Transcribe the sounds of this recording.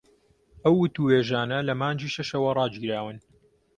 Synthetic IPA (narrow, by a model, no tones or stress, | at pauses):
ʔɐwːʊt̪uweːʒaːnɐlɐmaːnd͡ʒiːʃɐʃɐwɐrˤɑːd͡ʒiɾaːwɨn